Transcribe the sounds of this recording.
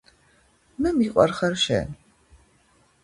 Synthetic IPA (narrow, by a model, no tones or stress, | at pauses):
mɨmiqʷʼɐ̰rχɐrʃɛ̰n